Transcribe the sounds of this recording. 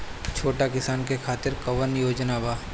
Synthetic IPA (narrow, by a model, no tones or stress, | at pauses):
t͡ʃʰoːʈakɪsaːnkekʰaːt̪ɪɾkɐʋənjoːd͡ʒnabaː